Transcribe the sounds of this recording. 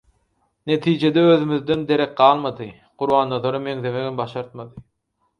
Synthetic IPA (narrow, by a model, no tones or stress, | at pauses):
ne̞t̪ʰiːd͡ʒe̞d̪eøðymyðd̪end̪e̞ɾek̚ɢɑːlˠmɑd̪ɯ | quɾβɑːnd̪oðoɾɯme̞ŋðe̞me̞ɡimbɑʃɑɾt̪̚mɑd̪ɯ